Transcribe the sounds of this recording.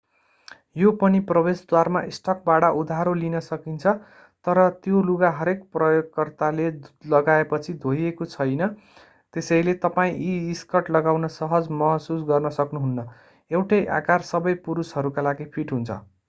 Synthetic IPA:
jopʌniprʌbesd̪warmaʔisʈʌk̚baɽʌʔud̪ʱaɦɾolinʌsʌkint͡sʰʌ | t̪ʌɾʌt̪joluɡaɦʌɾekprʌjoɡkːʌrt̪alelʌɡaepʌt͡sʰid̪ʱojekot͡sʰʌjnʌ | t̪esʌjlet̪ʌpaĩʔiːskʌʈlʌɡawnʌsʌɦʌd͡zmʌɦsusɡʌrnʌsʌknuɦunːʌ | ewʈʌjʔa̰karsʌbʌjpuɾusɦʌɾukalaɡipʰiʈɦunt͡sʰʌ̰

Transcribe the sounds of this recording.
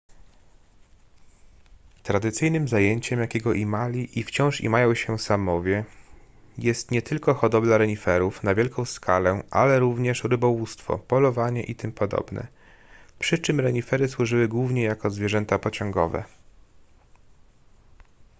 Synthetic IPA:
t̪ɾad̪ɘt̪sɘjnɘmzajeɲt͡ɕɛmjakʲɛɡɔʔimalʲiʔift͡ɕɔ̃w̃ʂḭmajɔ̃w̃ɕɛsamɔvʲjɛ | jɛst̪ɲɛt̪ɘlkɔxɔd̪ɔblaɾɛɲifɛɾufnavʲjɛlkɔ̃w̃skʰalɛʔa̰lɛɾuvɲɛʂɾɘbɔwust̪fɔ̰pɔlɔvaɲɛ̰ʔit̪ɘmpɔd̪ɔ̰bnɛ̰ | pʂɘt͡ʂɘmɾɛɲifɛɾɘswuʐɘwɘɡwuvɲɛjakɔzvʲjɛʐɛnt̪apɔt͡ɕɔŋɡɔ̰vɛ̰

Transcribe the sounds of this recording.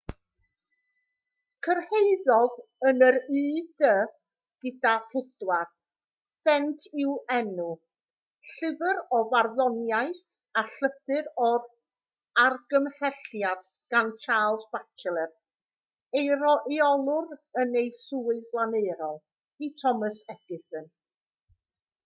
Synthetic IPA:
kʰərhejðɔðənəɾiːdə | ɡ̥ɪdapʰɪdwar | sɛntʰɪwɛnu | ɬɪvəɾɔvarðɔnjajθ | aɬəθɨɾɔɾ | arɡəmhɛɬjad̥ | ɡ̥ant͡ʃʰaːlˠsbat͡ʃʰɛlˠɛr̚ | ejɾɔʔiɔlˠʊɾənejsuːɨðblˠanejɾɔlˠ | itʰɔməsɛɡ̥ɪsən

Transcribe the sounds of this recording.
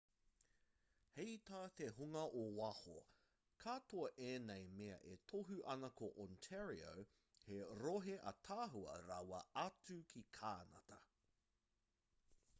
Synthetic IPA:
hejt̪aːt̪eɦuŋɐʔowɐho̰ | kʰaːtoɐʔeːnejmeɐ̰ʔetʰoɦuʔɐnɐkʰoʔɔntʰɛɹio̰w | heɾoɦeʔɐ̰t̪ʰaːɦuɐ̰ɾɐwɐ̰ɐt͡sʉkʰikʰaːnɐ̰tɐ

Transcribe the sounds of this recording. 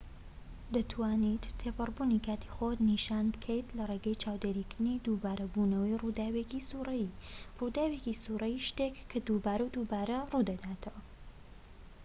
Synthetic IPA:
d̪ɐt̪ʰwaːnit̪t̪ʰːepɨrˤbunikaːt̪ʰi̥χot̪niʃanbɨkʰejt̪lɐreːɡɐjt͡ʃʰaːwd̪eɾikɨɾd̪ɨnid̪ubaːɾɐbunɐwɐjrud̪aːwekisuːrɐjirud̪aːwecisurɐjiʃt̪ekʰːad̪ubaːɾɐwd̪ubaːɾɐruːd̪ɐd̪aːt̪ʰɐwɐ

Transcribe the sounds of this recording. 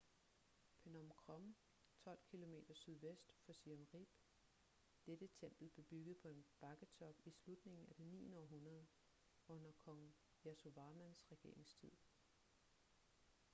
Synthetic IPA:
pʰenɒmkʰʁɒm | t͡sʰɒ̽l̰kʰilo̝me̝̰ːd̥ɐsyðˠʋesd̥fɒ̽siomʁib̥ | d̥ed̥ət͡sʰem̰b̥l̩ˠb̥le̝b̥yɡ̥əð̞̩ˠpʰɒ̽e̝nb̥ɑ̈ɡ̥ət͡sʰɒ̽b̥islud̥ne̝ŋn̩æd̥enḭːnɒ̰ːɦunɐð̞ˠə | ɔ̽n̰ɐkʰɒ̽ŋ | jæso̝ʋɑ̈ːmænsʁɛɡ̥e̝ɐ̰e̝ŋst͡sʰið̰ˠ

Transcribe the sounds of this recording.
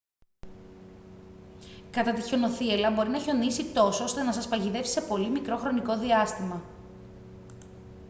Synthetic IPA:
kɐt̪ɐt̪iço̞no̞θielɐbo̞ɾinɐço̞nisit̪o̞soost̪e̞nɐsɐspɐʝiðe̞fsise̞po̞limikɾo̞xɾo̞niko̞ðiɐst̪imɐ

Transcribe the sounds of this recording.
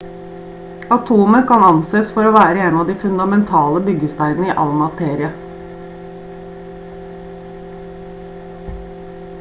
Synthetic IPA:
ɑt̪ʰuːməkɑnɑnseːsfɔɾoːʋæːɾəeːnɑʋd̪iːfʉnd̪ɑmɛnt̪ʰɑːləbʏɡəst̪æɪnnəiːʔɑ̰lmɑt̪ʰeːɾɪə

